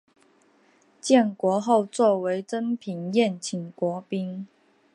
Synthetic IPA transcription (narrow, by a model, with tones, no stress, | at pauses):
t͡ɕjɛ˥˨nkwɔ˧˥˦xo˥˧ʊt͡swɔ˥˨we˧˥ɪʈ͡ʂə˥npʰi˨˩ŋjɛ˥˨nt͡ɕʰi˨˩ŋkwɔ˧˥pi˥ŋ